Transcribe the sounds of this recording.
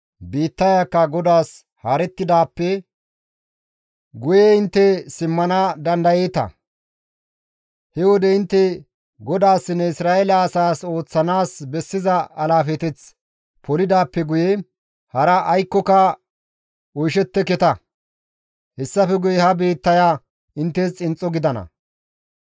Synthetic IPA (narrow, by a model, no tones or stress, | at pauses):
biːt̪ːɐjakːɐɡɔd̪aːs | haːɾɛt̪ːɪd̪aːpːɛ | ɡʊjɛɪnt̪ːɛsɪmːɐnad̪ɐnd̪ɐjeːt̪ɐ̰ | hɛwɔd̪ɛɪnt̪ːɛ | ɡɔd̪aːsːɪnːɛɪsɾaːɛlɐːsaːso̞ːt͡sːɐnaːsbɛsːɪzɐɐlaːfɛt̪ɛt͡s | pʰɔlɪd̪aːpːɛɡʊjɛ | hɐɾɐʔːjkːɔkɐ | ɔjʃɛt̪ːɛkɛt̪ɐ | hɛsːɐfɛɡʊjɛhɐbeːt̪ːɐja | ɪnt̪ːɛst͡sʼɪnt͡sʼːɔɡɪd̪ɐnɐ̰